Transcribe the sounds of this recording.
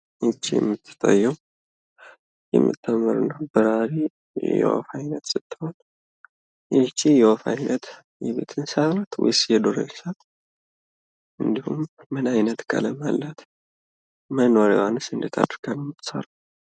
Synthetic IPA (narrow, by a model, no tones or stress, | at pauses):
jɛt͡ʃːijɛ̰mːɨt̪ʰːɨ̥t̪ʼəjːɛw | jɛ̰mːɨ̰t̪ʰʼːəmːɨɾɨnawbɨɾaɾḛ | jɛ̰wa̰fajnət̪sɨt̪ːɨho̞n | jɛt͡ʃːijɛwafajnʔət̪ | jɛβḛt̪ʰɨnsalat̪wɔ̰jsjɛd̪oɾḛnsat | ʔɨnd̪ihumːɨnajnət̪kʰa̰ləma̰lːat̪ʰ | mənoɾewanɨsɨnd̪ɨt̪ʰa̰d̪ɾɡanmːɨt̪ʰːɨ̥sa̰ɾa